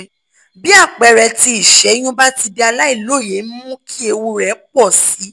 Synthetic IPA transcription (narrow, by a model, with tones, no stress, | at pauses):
bi˦a˦˨k͡pɛ˨˧ɾɛ˧ti˧i˨ʃɛ˨˦j̃ũ˦ba˦ti˧di˧a˧la˦i˦˨lo˦˨je˨˦m̩˦mũ˦kʰi˦e˧wu˧ɾɛ˨˦k͡pɔ˦˨si˨˦